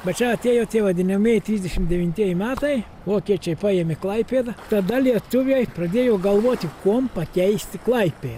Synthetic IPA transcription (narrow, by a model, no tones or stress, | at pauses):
bʲɛt̪t͡ʃʲɛɐt̪ʲeɛjoːt̪ʲeɛʋɐd̪ʲɪnʲɐmʲiɛjt̪ʲɾʲiːzʲd̪ʲɛʃʲɪmd̪ʲɛʋʲɪnʲt̪ʲiɛjɪmʲæːt̪ɐɪ | ʋoɔkʲiɛt͡ʃʲɛjpɑjeːmʲɪklˠɐɪpʲeːd̪ɐt̪ɐd̪ɐlʲiɛt̪ʊʋʲɛːjpɾɐd̪ʲeɛjoːɡɐlˠʋuɔt̪ʲɪkuɔmpɐkʲɛɪsʲt̪ʲɪklˠɐɪpʲeː